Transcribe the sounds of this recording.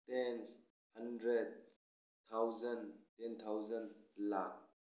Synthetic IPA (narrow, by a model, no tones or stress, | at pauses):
tɛns | hɐndɾed̚ | t̪ʰawzɐntɛnt̪ʰawzənlak̚